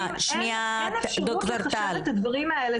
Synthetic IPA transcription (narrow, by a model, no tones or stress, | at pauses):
ʃniad̪okt̪oɾt̪alt̪ad̪vɐʁimɐele